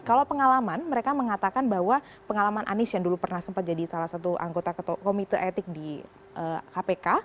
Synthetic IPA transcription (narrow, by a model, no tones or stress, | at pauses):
kalawpəŋalamanməɾekaməŋat̪akanbaɦwa | pəŋalamanʔa̰nɪsjaŋdulupərnahsəmpat̪̚d͡ʒadisalahsat̪uʔa̰ŋɡot̪akomit̪əʔet̪ɪk̚di | ʔəkapeka